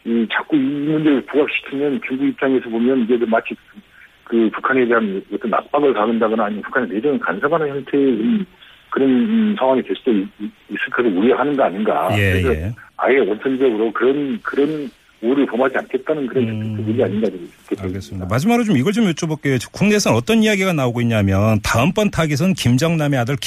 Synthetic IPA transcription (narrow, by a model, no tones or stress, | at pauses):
it͡ɕak͈uimund͡ʑe̞ɾɯɭpuɡak̚ɕ͈i̥kʰimjʌnt͡ɕuŋɡuip̚t͡ɕ͈aŋe̞sʰʌbomjʌnid͡ʑetomat͡ɕʰi | kɯpukʰanedɦanwʌt͈ʌnːa̰k̚p͈aɡɯɭpaɡɯndaɡʌnaːɲimapu̥kʰanened͡ʑʌnɯnkansʰamanɯnçjʌntʰe̞kom | kɯɾʌnsʰaŋwaŋitwe̞ɭs͈uoiis͈ɯkʰasʰouɾiʌɦanɯnɡʌaɲinɡa̰je̞ɾejsʰʌa̰jewʌnsʰʌnd͡ʑʌɡɯɾokɯɾʌnkɯɾʌn | uɾɯɭpomad͡ʑiankʰe̞t̚t͈anɯnkɯɾʌnt͡ɕʌtʰɯtʰɯuɾiaɲinɡad͡ʑɯnkʰeaeɡes͈ɯmidamad͡ʑimaɡɾot͡ɕomiɡʌɭt͡ɕomjot͡ɕ͈obʌk͈e̞jot͡ɕkʰoŋne̞s̬ʰʌnʌt͈ʌnijaɡiɡanaoɡoiɲɲamjʌntaɯmp͈ʌntʰaɡis̬ʰʌnkimd͡ʑʌŋname̞adɯɭk